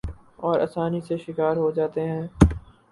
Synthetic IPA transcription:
ɔːɾʔɐ̰saːniseʃɪkaːɾɦod͡ʒaːt̪eɦɛ̃ː

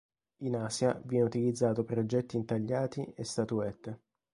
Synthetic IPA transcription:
inaːsjavjɛneut̪ilid̪zːaːt̪opɾod͡ʒɛt̪ːiːnt̪aʎːaːt̪iest̪at̪uɛt̪ː

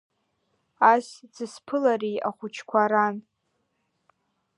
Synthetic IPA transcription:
asd͡zɨspʰɨlaɾijaχʷʊt͡ʃʰkʷʰaɾan

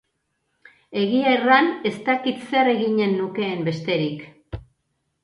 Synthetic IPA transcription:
e̞ɣiajrane̞st̪akit̪se̞re̞ɣiɲe̞nːuke̞ːmbe̞st̪e̞ɾik

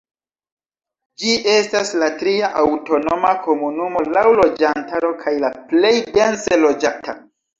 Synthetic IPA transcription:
d͡ʒiʔe̞staslatɾiaʔawto̞no̞mako̞munumo̞lawlo̞d͡ʒantaɾo̞kʰajlaple̞jdense̞lo̞d͡ʒata

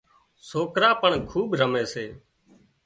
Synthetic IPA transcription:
soːkɾaːpəɳkʰuːɓɾəmeːseː

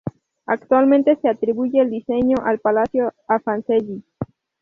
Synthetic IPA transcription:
akt̪walmẽnt̪e̞se̞at̪ɾiβuʝe̞ːld̪ise̞ɲo̞ʔalpalasjoafanseʎi

